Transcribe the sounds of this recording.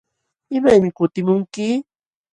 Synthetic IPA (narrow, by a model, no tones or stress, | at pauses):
ɪmajmɪkʊt̪ɪmʊŋkɪ